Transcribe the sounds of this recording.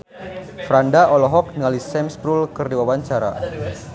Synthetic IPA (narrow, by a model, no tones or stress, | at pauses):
fɾandaɔlɔɦɔk̚niŋalisɛmspɾulkərdiwawaɲt͡ʃaɾa̰